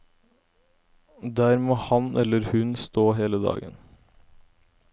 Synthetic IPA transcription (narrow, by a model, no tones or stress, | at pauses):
d̪æːɾmoːhɑnɛlːəɾhʉnst̪oːɦeːləd̪ɑ̰ːɡə̰n